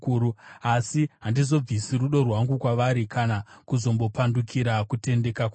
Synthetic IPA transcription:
uːɾuasiɦandizo̞b͡visiruɗo̞rwaŋɡukwaʋaɾikanakuzo̞mbo̞pandukʰiɾakute̞nde̞kakw

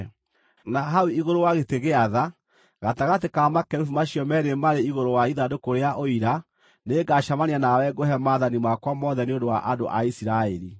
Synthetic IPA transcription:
naɦauiɣoɾowaɣeteɣeaða | ɣataɣatekamakɛɾufumaɕjɔmɛɾemaɾeiɣoɾowaiðadokoɾeaʔoiɾa | neɡaʃamaneanawɛɡohɛmaðanimakwamɔðɛneondowa̰ʔando̰ʔaisiɾaɛɾi

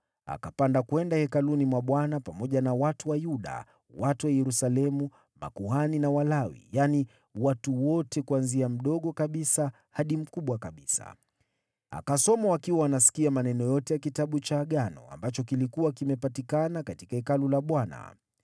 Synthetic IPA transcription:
a̰kapandakwɛndahɛkalunimwaɓwanapamɔʄanawatuwajuɗa̰ | watuwajɛɾusalɛmu | ma̰kuhaninawalawḭjani | watuwɔtɛkuanziam̩ɗɔɠɔkaɓisa | haɗim̩kuɓwakaɓisa̰ | a̰kasɔmawakiwaanasi̥kiamanɛnɔjɔtɛjakitaɓut͡ʃaːɠanɔ̰a̰mbat͡ʃɔkilikuwakimɛpatikanakatikahɛkalulaɓwana̰

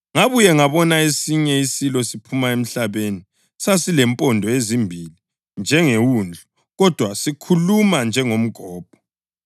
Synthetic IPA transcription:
ŋaβujɛŋaβɔnaesiɲɛisilɔsipʰumaem̩ɬaβeni | sasilɛmpʼɔndʱɔezimbʱili | nd͡ʒʱɛŋewund͡ɮʱu | ɣɔd̥ʱwasikʰulumand͡ʒʱɛŋom̩ɡ̥ʱɔːp̚ɔ̥

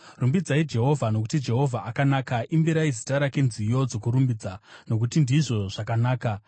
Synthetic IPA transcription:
rumbid͡zaid͡ʒe̞ɦo̞vʱano̞kutid͡ʒe̞ɦo̞vʱaʔakanaːkaʔimbiɾaizitaɾake̞nzijo̞d͡zo̞kuɾumbid͡zano̞k̬utindiʐo̞ʐ̥akanaːka

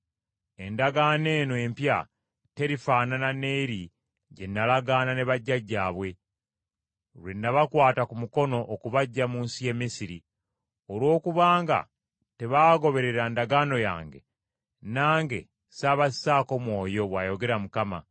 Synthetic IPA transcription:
e̞ndaɡaːne̞ːnwe̞mpja | te̞ɾifaːnanane̞iɾi | ɟenːalaɡaːnane̞βaɟːaɟːaːβwe̞ | lwenːaβakwaːtakumuko̞no̞ʔːkuβaɟːamuːnsije̞misiɾi | olwo̞ːkuβaːŋɡa̰ | te̞βaːɡo̞βe̞ɾe̞ɾandaɡaːno̞ja̰ːŋɡe̞̰ | naːŋɡe̞̰ | saːβasi̥saːko̞mwo̞ːjo̞βwaːjo̞ɡe̞ɾamukama̰

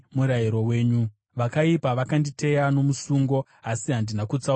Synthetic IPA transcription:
muɾaiɾo̞we̞ːɲu | ʋakaipaʋakandite̞jano̞musuŋɡo̞ | asiɦandinakut͡sa

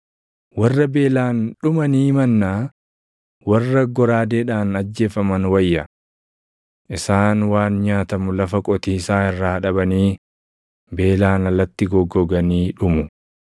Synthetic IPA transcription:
wɐrːɐbe̞ːlaːnᶑʊmɐniːmɐnːaː | wɐrːɐɡɔɾaːd̪eːᶑaːnɐd͡ʒːe̞ːfɐmɐnwɐjːɐ | ʔɪsaːnwaːnɲaːt̪ɐmʊlɐfɐkʼɔt̪iːsaːɪrːaːᶑɐbɐniː | be̞ːlaːnɐlːɐt̪ːɪɡɔɡːɔɡɐniːᶑʊmʊ

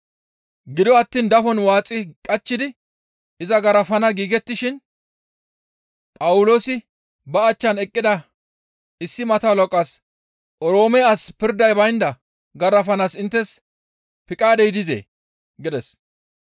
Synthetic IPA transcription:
ɡɪd̪ɔɐt̪ːiːnd̪ɐfɔnwaːt͡sʼːɪkʼɐt͡ʃːɪd̪ɪ | ɪzɐɡɐɾɐfɐnɐɡiːɡɛt̪ːɪʃɪn | pʼɐwʊloːsɪ | bɐːt͡ʃːɐnɛkʼːɪd̪ɐ | ɪsːɪmɐt̪aːlɔkʼːɐs | ʔɔɾo̞ːmɛaspɪɾd̪ɐjbɐjnd̪ɐ | ɡɐɾɐfɐnasɪnt̪ːɛs | pɪkʼaːd̪ɛjɪd̪ɪzḛː | ɡɪd̪ɛs

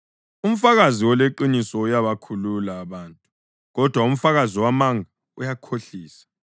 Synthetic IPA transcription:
um̩faɣaziwɔleǃinisɔujaβakʰululaːβaːntʼu | ɣɔd̥ʱwaum̩faɣaziwamaŋʱa | ujakʰoɬiːsḁ

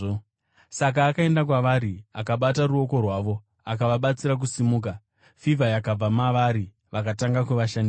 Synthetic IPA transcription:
sak̬aːkae̞ndakwaʋaɾiakaɓataruo̞ko̞rwaːʋo̞ | akaʋaɓat͡siɾak̬usimuːk̬a | fivajakab͡vamaʋaɾi | ʋakataŋɡakuʋaʃandi

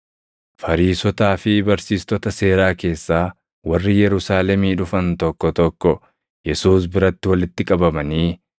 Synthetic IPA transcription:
fɐɾiːsɔt̪aːfɪbɐɾsiːst̪ɔt̪ɐse̞ːɾaːke̞ːsːaː | wɐrːɪjɛɾʊsaːlɛmiːᶑʊfɐnt̪ɔkːɔt̪ɔkːɔ | jɛsuːs̬bɪɾɐt̪ːɪwɐlɪt̪ːɪkʼɐbɐmɐniː

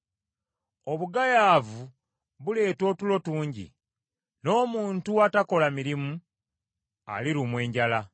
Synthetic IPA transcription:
o̞βuɡajaːvu | βule̞ːto̞ːtulo̞tuːɲɟḭ | no̞ːmuːntuatako̞lamiɾimu | a̰liɾumwe̞ːɲɟala

